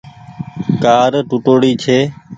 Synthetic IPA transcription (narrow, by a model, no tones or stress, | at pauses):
kaːɾʈʊʈoːɽiːt͡ʃʰeː